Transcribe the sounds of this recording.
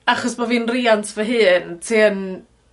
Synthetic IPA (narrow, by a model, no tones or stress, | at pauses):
aχɔsmaviːnriantʰvəɦɨːntʰiən